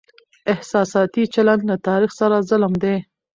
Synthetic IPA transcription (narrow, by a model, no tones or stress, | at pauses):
ɪhsɑsɑt̪it͡ʃaland̪lat̪ɑɾixsaɾazəlmd̪e